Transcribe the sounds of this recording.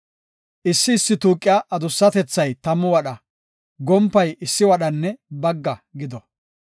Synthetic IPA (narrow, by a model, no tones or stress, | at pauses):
ʔɪsːɪːsːɪt̪uːkʼːɪjaʔɐd̪ʊsːɐt̪ɛt͡sːɐjt̪ɐmːʊwɐɗɐ | ɡɔmpːɐjɪsːɪwɐɗɐnːɛbɐɡːɐɡɪd̪ɔ